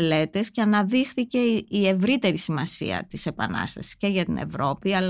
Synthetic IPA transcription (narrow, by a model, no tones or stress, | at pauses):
le̞t̪e̞sceɐnɐðixθice̞ie̞vɾit̪e̞ɾisimɐsḭɐ̰t̪ise̞pɐ̰nɐ̰st̪ɐsi̥sce̞ʝɐt̪inḛvɾo̞piɐl